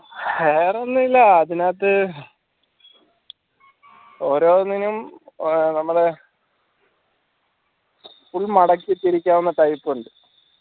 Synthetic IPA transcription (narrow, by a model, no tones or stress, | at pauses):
eːrenːuilːɐːðinaːt̪ːɨ | o̞ːɾoːnːinum | nɐmːuɽe̞ | fuɭmɐɽɐkːit̪ːiɾikʲːaːʋunːɐt̪ɐjpːuɳɖɨ